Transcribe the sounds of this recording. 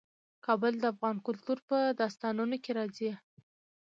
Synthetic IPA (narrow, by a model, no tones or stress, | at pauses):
kɑbəld̪əafɣɑnkʊlt̪uɾpəd̪ɑst̪ɑnunokeɾɑzi